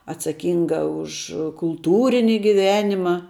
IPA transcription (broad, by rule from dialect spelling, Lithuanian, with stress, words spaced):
ɐtsɐˈkʲiːŋɡɐ ʊʃ kʊlˠˈtuːrʲɪnʲɪ ɡʲɪˈʋʲæːnʲɪmɐ